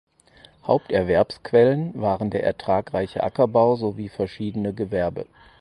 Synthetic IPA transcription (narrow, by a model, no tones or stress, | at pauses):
haʊptɛɐvɛɐpskv̥ɛlənvaːʁəndeːɐʔɛ̰ɐtʁ̥aːkʁaɪçə̰ʔa̰kɐbaʊzoviːfɛɐʃiːdənəɡəvɛɐbə̰